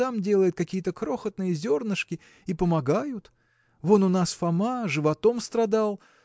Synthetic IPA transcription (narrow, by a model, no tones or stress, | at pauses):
amdʲe̞lˠəjɪt̪̚kɐkʲijət̪əkɾo̞xət̪̚nɨjəzʲo̞rnɨʂkʲɪ | ipəmɐɡajʊt̪ | vo̞nʊnasfɐmaʐɨvɐt̪o̞mst̪rɐd̪alˠ